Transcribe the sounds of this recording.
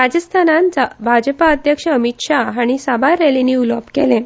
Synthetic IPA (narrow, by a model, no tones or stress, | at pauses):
ɾad͡ʑəst̪ʰanãnd͡zabʱad͡ʑəpaəd̪ʱjəkʂəəmit̪ʂaɦaɽ̃isabaɾeliniːuləbkelẽ